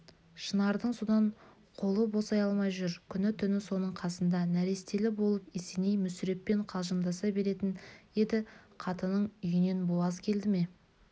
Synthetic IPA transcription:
ʃənɑɾd̪əɴso̞d̪ɑɴ | qʰo̞lˠəbo̞sɑjɑlˠmɑjʒʏɾkʲʰʏnɪt̪ʰʏnɪso̞nəɴqʰɑsənd̪ɑnæɾe̞st̪e̞lɪbo̞lˠəpesenejmʏsɾe̞p̪̚pe̞ɴqʰɑlˠʒənd̪ɑsɑbe̞ɾe̞t̪ɪnje̞d̪ɪqʰɑt̪ənəɴʏjɪne̞nbolˠɑzkʲʰe̞ld̪ɪme̞

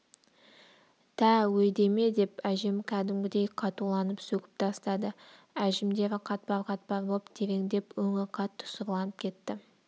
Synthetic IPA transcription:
t̪ʰæwɵjd̪e̞me̞d̪e̞pæʒemkʲʰæd̪ɪmɡʲɪd̪e̞jqʰɑt̪ulˠɑnəpsɵkʲɪ̥p̚t̪ʰɑst̪ɑd̪ə | æʒɪmd̪e̞ɾɪqʰɑt̪̚bɑɾqʰɑt̪̚bɑɾbolˠəpt̪ʰe̞ɾe̞ŋd̪e̞pwɵŋɪɾqʰɑt̪ʰːʊ̥sʊɾlˠɑnəp̚kʲʰe̞t̪ːɪ

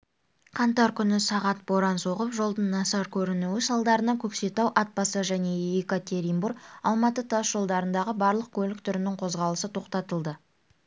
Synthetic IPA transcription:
qʰɑnt̪ɑɾkʲʰʏnɪsɑʁɑt̪̚bo̞ɾɑnso̞ʁəpʒo̞lˠd̪ənːɑsɑɾkʲʰɵɾɪnuwɪsɑlˠd̪ɑɾənɑkʲʰɵkse̞t̪ɑwʔɑt̪̚bɑsɑʒæne̞ikat̪ʲe̞ɾijmburɑlˠmɑt̪ət̪ʰɑsʒ̥o̞lˠd̪ɑɾənd̪ɑʁəbɑɾlˠəq̚kʲʰɵlɪk̚t̪ʰʏɾɪnɪŋqʰo̞zʁɑlˠəsət̪ʰo̞qt̪ɑt̪əlˠd̪ə

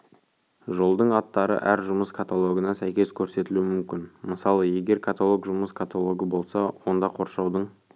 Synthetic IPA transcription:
ʒo̞lˠd̪əɴɑt̪ːɑɾə̰ʔæɾʒʊməskʰat̪alˠo̞ɡənɑsæjkʲe̞skʲʰɵɾse̞t̪ɪlumʏmkʲɪnməsɑlˠəje̞ɡʲe̞ɾkʰat̪alˠokʒʊməskʰat̪ʰalˠo̞ɡəbo̞lˠsɑwo̞nd̪ɑqʰo̞ɾʃɑwd̪əɴ

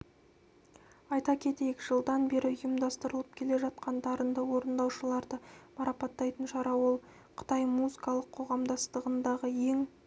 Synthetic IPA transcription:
ɑjt̪ɑkʲʰe̞t̪ekʲɪʒəlˠd̪ɑnbe̞ɾɪʊjəmd̪ɑst̪əɾəlˠəpkʲʰe̞le̞ʒɑt̪̚qɑnd̪ɑɾənd̪ɑwo̞ɾənd̪ɑwʃəlˠɑɾd̪əmɑɾɑpɑt̪ːɑjt̪ənʃɑɾɑwo̞lˠ | qʰə̥t̪ɑjmuzəkɑlˠəqʰo̞ʁɑmd̪ɑst̪əʁənd̪ɑʁəje̞ŋ

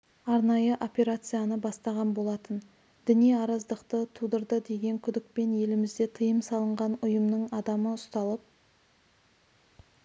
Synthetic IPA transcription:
ɑɾnɑjəʔo̞pʲe̞ɾat̪sɨjanəbɑst̪ɑʁɑnbo̞lˠɑt̪ən | d̪̥ɪnijɑɾɑzd̪əqt̪ət̪ʰud̪əɾd̪əd̪e̞ɡʲe̞ŋkʲʰʏd̪ɪk̚pe̞nje̞lɪmɪzd̪e̞t̪ʰəjəmsɑlˠəɴʁɑnʊjəmnəɴɑd̪ɑməʊst̪ɑlˠəp̚

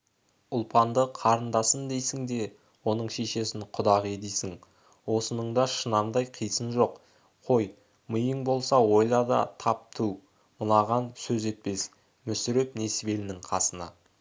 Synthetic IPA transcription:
ʊlˠpʰɑnd̪əqʰɑɾənd̪ɑsənd̪e̞jsɪŋd̪e̞ | wo̞nəɴʃe̞ʃe̞sɪɴqʰʊd̪ɑʁe̞d̪ejsɪŋ | wo̞sənəɴd̪ɑʃənɑmd̪ɑjqʰijsənʒo̞q | qʰo̞j | məjəɴbo̞lˠsɑwo̞jlˠɑd̪ɑ̰t̪ʰɑp̚t̪ʰuw | məlˠɑʁɑnsɵze̞t̪̚pe̞s | mʏsɪɾepne̞sve̞lɪnɪŋqʰɑsənɑ̰

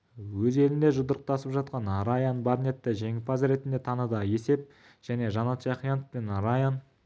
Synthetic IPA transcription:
wɵze̞lɪnd̪e̞ʒʊd̪əɾəq̚t̪ɑsəpʒɑt̪̚qɑnɑɾɑjɑnbaɾne̞t̪ːəʒe̞ŋɪpɑzɾe̞t̪ɪnd̪et̪ʰɑnəd̪əje̞se̞p̚ | ʒ̥æne̞ʒɑnɑt̪ʒɑqijɑnofpe̞nɑɾɑjɑn

